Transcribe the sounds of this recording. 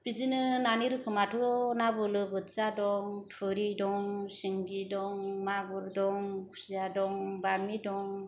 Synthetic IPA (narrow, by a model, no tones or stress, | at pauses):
b̥id͡ʒinɯnaniɾɯkʰɯmatʰunabɯlɯbɯt͡sadɔŋtʰɯɾidɔŋsiŋɡidɔŋmabɯɾdɔŋkʰu̥sijadɔŋbamidɔŋ